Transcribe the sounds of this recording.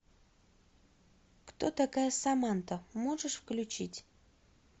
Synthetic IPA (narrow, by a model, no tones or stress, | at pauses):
kt̪ot̪akajəsamant̪əmoʐəʂfklʲʉt͡ɕitʲ